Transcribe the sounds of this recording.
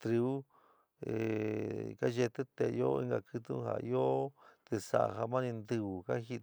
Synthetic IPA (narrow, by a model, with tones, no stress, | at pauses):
t̪ɾi˧u˦ | e˨ka˦ʒe˧t̪e˦t̪e˨˧jo˦ḭ˦ŋɡa˧kɨ˧t̪u˦ha̰˨˧jo˦t̪e˧sa̰˨˧˨ɦa˧mã˦nĩ˧nd̪ɨ˧u˨ka˦xi˧